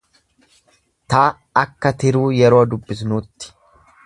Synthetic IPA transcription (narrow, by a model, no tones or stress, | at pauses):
t̪aː | ɐkːɐt̪ɪɾuːjɛɾoːd̪ʊbːɪsnuːt̪ːɪ̥